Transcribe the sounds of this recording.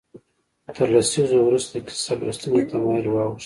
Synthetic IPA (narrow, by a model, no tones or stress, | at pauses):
t̪ʰəɾlasizowɾust̪akɪ̥saɾla̰st̪unot̪ʰamɑɪlwɑɣʊʃ